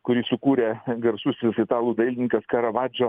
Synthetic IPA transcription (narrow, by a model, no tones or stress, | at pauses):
kʊɾʲiːsʊkuːɾʲeːɡɐɾsʊsʲɪsɪt̪ɑːlˠuːd̪ɐɪlʲnʲɪŋkɐskɐɾɐʋɑːd͡ʒʲoː